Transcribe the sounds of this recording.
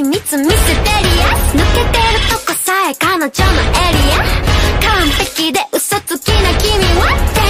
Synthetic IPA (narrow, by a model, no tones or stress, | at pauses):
nit͡sɨmisɨt̪eɾianɯket̪eɾɯt̪ɔkosaekanat͡ʃonaʔeɾijakamp̪ekːid̪eʔɯsɔt͡sɨkːinakimiwa